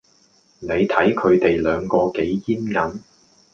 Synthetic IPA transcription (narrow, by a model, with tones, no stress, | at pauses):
ne˨˧jt̪ʰɐ˨˥jkʰɵ˨˧ɥt̪e˨jlœː˨˧ŋkɔː˧ke˨˥jjiː˥nŋɐ˨˥n